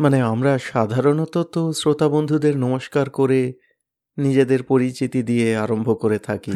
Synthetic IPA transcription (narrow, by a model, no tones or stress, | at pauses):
maneamɾaʃad̪ʱaɾonot̪ot̪osɾot̪abond̪ʱud̪eɾnɔmoʃkaɾkoɾe | nid͡ʑed̪eɾpoɾist͡ɕit̪id̪ijeaɾombʱokoɾet̪ʰaki